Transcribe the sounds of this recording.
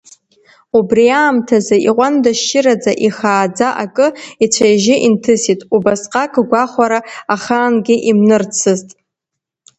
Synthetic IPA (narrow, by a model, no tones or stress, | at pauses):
ubriaːmtʰazaiqʷandaʃt͡ʃɪrad͡zaʔiχaːd͡zaʔakʼɨit͡ɕʷʰajʒɪʔintʰɨsitʼubasqʼakʼɡʷaχʷaɾaaχaːnɡʲɪʔimnɨrt͡sʰɨztʼ